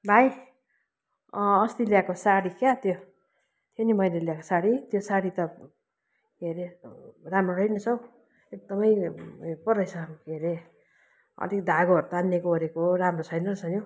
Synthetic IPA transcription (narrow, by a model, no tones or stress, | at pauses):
bʱaj | ʌst̪iljakosaɽikat̪jo | t̪ʰenimʌjleljako̥saɾit̪josaɽit̪ʌ | ɡʱeɾeramroɦʌjnʌt͡sʰʌw̃ | ek̚d̪ʌmʌjpʌrʌjsʰʌamɡʱeɾe | ʌ̰likd̪ʱaɡoɦʌɾt̪aanːekooɾekoramrot͡sʰʌjnʌsʰʌno